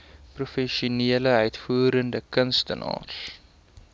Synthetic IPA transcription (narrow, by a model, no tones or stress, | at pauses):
prufɛʃuniələœɥtfuəɾəndəkənstənɑ̰ːr